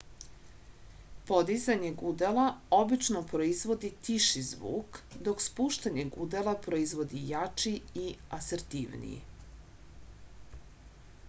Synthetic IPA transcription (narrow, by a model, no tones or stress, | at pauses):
po̞d̪izaɲeɡud̪elao̞bit͡ʃnopɾo̞izʋo̞d̪it̪iʃizʋṵːkd̪o̞kspuːʃt̪aɲeɡud̪elˠapɾo̞izʋo̞d̪ijat͡ʃiiaseɾt̪iʋnḭjḭ